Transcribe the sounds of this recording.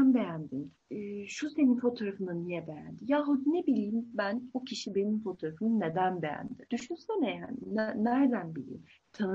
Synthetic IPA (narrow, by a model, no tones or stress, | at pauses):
anbejænd̪inː | ʃuse̞ninfo̞t̪ʰo̞ɾafɯnɯnijɛbejæ̰nd̪ijaːɦud̪nebilʲiːmbænocʰiʃibe̞nimfo̞t̪ʰoɾafɯnɯned̪ænbejæ̰nd̪id̪yʃusɛnɛja̰nnːæɾd̪ænbilʲḭːm | t̪ʰan